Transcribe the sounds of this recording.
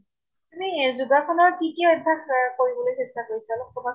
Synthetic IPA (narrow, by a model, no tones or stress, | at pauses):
t̪umizuɡakʰɔnɔɹtʰikeɔjtʰakkoɹibɔlojsɛsakoisalɔkɔba